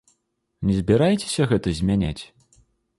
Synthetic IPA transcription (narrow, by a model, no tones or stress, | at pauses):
nʲɛzʲbʲiɾajt͡sʲe̥sʲɐɣɛt̪ɐzʲmʲanʲa̰t͡sʲ